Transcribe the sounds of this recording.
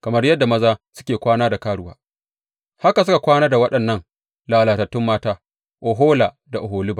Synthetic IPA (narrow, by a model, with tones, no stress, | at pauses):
kɐ˨mɐ˦rjɐ˦dːa˨mɐ˦zaː˦sʊ̥˦kʲeː˨kʷaː˦naː˦da˨kaː˦ɽʊ˦wa̰ː˦ | ha˦ka˨s̬ʊ˦ka˨kʷaː˦naː˦da˨wɐ˦ɗɐ˨nːɐ˦ŋ | laː˨laː˨tɐ˨tːʊ˦mːaː˦taː˦ | ʔo˨ɦoː˦laː˨ | da˨ʔʊ˨ɦoː˨lɪ˦ba˨